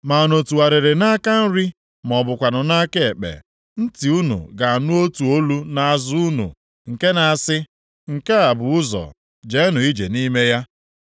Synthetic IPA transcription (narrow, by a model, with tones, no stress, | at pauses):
ma˨ɔ˨no˨tu˨wa˨ɾe˨ɾe˨na˦ka˦n̩˦ɾi˦ | m˨ɔ˨bʊ˨kʷa˨nʊ˨na˦ke˦e˨k͡pḛ˨ | n̩˦ti˨u˦nṵ˨ɡa˨a˨nʊ˦o˦tu˨o˦lu˦na˨a˨zʊ˦ʊ˦nṵ˨ | ŋ̩˨ke˦na˨a˨sɪ˦ | ŋ̩˨ke˦a˨bʊ˨ʊ˦zɔ̰˨ | d͡ʒe˨˦nʊ˨i˦d͡ʒe˨ni˦me˦ja˦